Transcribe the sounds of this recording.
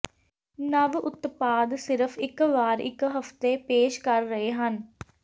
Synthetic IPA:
nəʋʊt̪paːd̪sɪɾəfʰɪkʋaːɾɪ̰kɦəft̪epeːʃkəɾːəɦeːɦən

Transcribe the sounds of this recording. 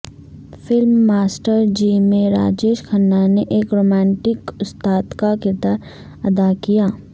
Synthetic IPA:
fɪlmːaːsʈəɾd͡ʒiːmẽɾa̰ːd͡ʒeːʃkʰənːaneʔeːkɾoːmɛ̃ːɳʈɪkʊst̪aːd̪kakɪɾd̪aːɾ | ɐd̪akijaː

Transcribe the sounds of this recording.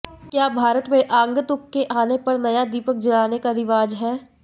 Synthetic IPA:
kjaːbʱaːɾət̪mẽʔãːŋɡət̪ʊkːeʔaːnepɐɾnɐjad̪iːpək̚d͡ʒɐlaːnekaɾɪʋaːd͡ʒɦɛː

